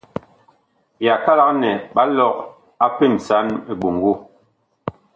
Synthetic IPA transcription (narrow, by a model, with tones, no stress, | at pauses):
ja˨ka˦la˦k̚nɛ˨ɓa˦lɔ˦˨k̚ | a˦pe˦˨m˨sa˨˦ne˨ɓo˨ŋ˨ɡo˦˨